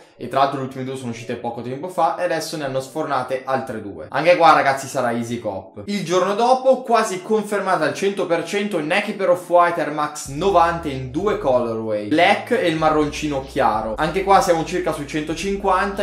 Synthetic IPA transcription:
ḛt̪ːɾalalt̪ɾolult̪imed̪uesoːnouʃːiːt̪epɔːkot̪ɛmpofaead̪ɛsːoneanːosfornaːt̪eʔalt̪ɾed̪ṵːḛʔa̰ŋkekwaraɡat̪sːisaɾaizikɔ̰pːild͡ʒornod̪ɔːpokwaːzikoɱfermaːt̪aalt͡ʃɛnt̪opert͡ʃɛnt̪onɛkipeɾɔfwajt̪ermaksnovant̪eind̪uːekɔlːorwɛjlɛkːɛilmarːont͡ʃiːnok̟ʰjaːɾoaŋk̟ekwasːjaːmot͡ʃirkasuit͡ʃɛnt̪ot͡ʃiŋkwant̪a

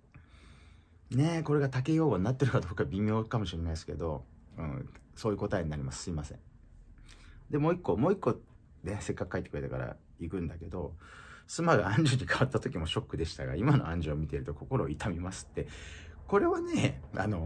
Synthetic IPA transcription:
ne̞ko̞ɾe̞ɡat̪ake̞jo̞ːɡoɲʲnat̪ːe̞ɾɯ̟kad̪o̞ːkabʲimʲo̞ːkamoɕiɾe̞naisɨ̥ke̞d̪o̞ɯ̟̰̃so̞ːiɯ̟ko̞t̪aeɲinaɾʲimasɨ̥sɨimasẽ̞̰ɴ | d̪e̞mo̞ːikːo̞mo̞ːikːo̞ | ne̞se̞kːakɯ̟̥kːait̪ːe̥ɯɾe̞t̪eka̰ɾa̰ | ikɯ̟̃nd̪ake̞d̪o̞sɨmaɡaãɲ̟d͡ʑɨɲ̟ːikaβat̪ːat̪o̞kʲimo̞ɕo̞kːɯ̟d̪e̞ɕi̥t̪a̰ɡa̰imano̞̰ãɲ̟d͡ʑɨomʲit̪e̞ɾɯ̟t̪oko̞ko̞ɾo̞ːit̪ʰamʲimasɨ̥t̪ːe̞ko̞ɾe̞βanea̰no̞

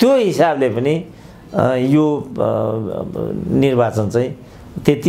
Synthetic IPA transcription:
t̪joɦisablepʌni | jo | nirbat͡sʌnt͡saĩ | t̪et̪i

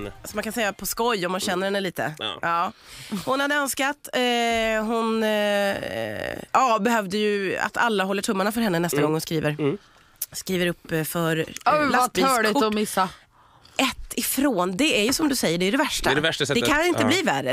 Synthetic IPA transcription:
asɔmankʰansɛjːapʰɔskɔjːɔmːanɕɛnːəɾhɛnːəliːt̪ə̰ɑːhʊnhad̪əœnskat̪ | ɦʊn | ɑːbɛɦœvd̪əjɵa̰t̪ʰa̰lːaɦɔlːəʈʰɵmːaɳafœɾhɛnːənɛst̪aɡɔŋːhʊnskɾiːvəɾ | skɾiːvəɾɵpːfœɾlaaœɭʊɔmɪsːa | ʔɛt̪ʰːɪfɾoːnd̪ɛæɾjɵsɔmd̪ɵsɛjːəɖɛjɵɾɛvæʂʈaɾɛvæʂʈasɛd̪ɛkʰanɪnt̪əbliːværːə

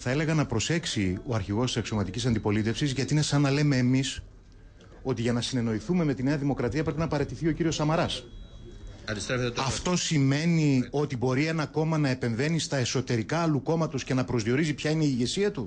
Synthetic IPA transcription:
θɐe̞le̞ɣɐnɐpɾo̞se̞ksioɐɾçiɣo̞st̪isɐksio̞mɐt̪icisɐnd̪ipo̞lit̪e̞fsizʝɐt̪iine̞sɐnːɐle̞me̞ːmis | o̞t̪iʝɐnɐsine̞no̞iθume̞me̞t̪ine̞ɐðimo̞kɾɐt̪iɐpɾe̞pinɐpɐɾe̞t̪iθio̞ciɾio̞sɐmɐɾɐs | ɐd̪ist̪evɐft̪o̞sime̞nio̞t̪ibo̞ɾie̞nɐko̞mɐnɐe̞pe̞ɱve̞nist̪ɐe̞so̞t̪e̞ɾikɐɐluko̞mɐt̪osce̞nɐpɾo̞zðio̞ɾizipçɐineiːʝe̞siɐt̪u

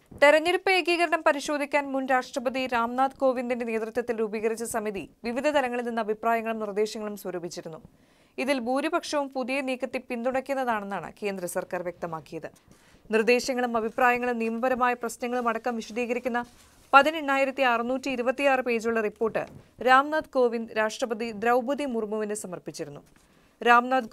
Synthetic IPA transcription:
t̪e̞ɾɐɲːiɾupːɐjeɡiːɣɐɾɐɳɐmpɐɾiɕo̞ːd̪ʱikʲːaːnmunɾaːʂʈrɐbɐd̪iɾaːmnaːd̪ko̞ːʋindinde̞ne̞ːt̪rɨt̪jɐt̪ːilɾuːbiɣɐrit͡ɕːɐsɐmiðiʋiʋid̪ʱɐd̪ɐlɐŋːɐɭilninːɐbʱipraːjɐŋːɐɭumnird̪e̞ːɕɐŋːɐɭumswɐɾuːbʱit͡ɕːiɾunːu | iðilbuːɾibɐkʂɐʋumpuðijɐniːkːɐt̪ːipind̪uɽɐkʲːunːɐðaːɳe̞nːaːɳɨ̰ke̞ːnd̪ɾɐsɐrkaːrʋjek̚t̪ɐmaːkːijɐðɨ | nird̪e̞ːɕɐŋːɐɭumɐbʱipraːjɐŋːɐɭumnijɐmɐbɐɾɐmaːjɐprɐsnɐŋːɐɭumɐɽɐkːɐmʋiɕɐd̪iːɣɐɾikʲːunːɐ | pɐðine̞ɳːaːjiɾɐt̪ːiarɨnuːtːiːɾubɐt̪ːijaːrɨpe̞ːd͡ʑuɭːɐripːo̞ːrʈːɨ̰ɾaːmnaːd̪ko̞ːʋinɾaːʂʈrɐbɐd̪id̪ɾɐwbʱɐd̪imurmuʋinːesɐmɐrpit͡ɕːiɾunːu | ɾaːmnaːd̪

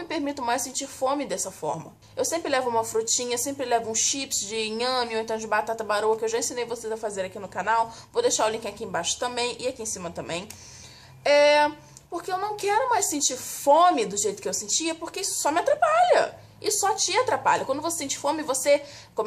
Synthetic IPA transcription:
mɪpeɾmit̪ʊmajsẽnt͡ʃiɾfõmɪd̪ɛsɐfɔ̰ɾmɐ̰ | ewsẽmpɾɪlɛvʊũmɐfɾut͡ʃĩɲɐsẽmpɾɪlɛvʊũʃipsd͡ʒɪiŋɐ̃mjʊ̃ẽt̪ɐ̃w̃d͡ʒɪbat̪at̪ɐbaɾuɐkɪewʒaẽsĩnejvosezɐfazeɾakinʊkanawvod̪ejʃaɾʊlĩŋkʲɪakɪẽbaʃʊ̥t̪ɐ̃mbẽj̃ɪakiẽsĩmɐt̪ɐ̃mbẽj̃ | ɛ | poɾkeewnɐ̃w̃kɛɾʊmajsẽnt͡ʃiɾfõmɪd̪ʊʒejt̪ʊ̥kɪewsẽt͡ʃiɐpoɾkeisʊ̥sɔmɪat̪ɾapaʎɐ̰ | ɪsɔt͡ʃɪat̪ɾapa̰ʎɐkwɐ̃nd̪ʊvosesẽt͡ʃifõmɪvose | kõm

